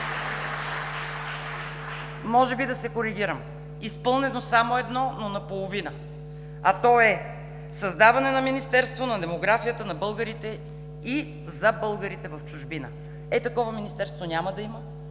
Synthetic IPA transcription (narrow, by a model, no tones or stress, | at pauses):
mɔʒɛbid̪ɐsɛkoɾiɡʲiɾəm | ispɤlˠnɛnosamoɛd̪nɔnonɐpolˠovinə | at̪ɔɛ | sɐzd̪avɐnɛnɐminist̪ɛɾst̪vonɐd̪ɛmoɡɾafijət̪ənɐbɤlˠɡəɾit̪ɛ | i | zɐbɤlˠɡəɾit̪ɛvɐft͡ʃʊʒbinə̰ | ɛt̪ɐkɔvɐminist̪ɛɾst̪vonʲaməd̪ɐimə